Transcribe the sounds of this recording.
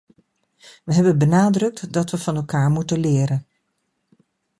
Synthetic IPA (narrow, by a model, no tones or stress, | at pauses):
ʋəɦɛbənbənaːdrɵk̚tdɑtʋəv̥ɑnɛlˠkaːɹmutənlɪːɾən